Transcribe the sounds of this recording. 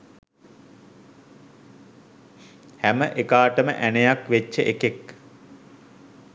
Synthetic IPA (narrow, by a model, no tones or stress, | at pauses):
hæməʔekaːʈəmə̰ʔænejakʋet͡ʃːəʔekek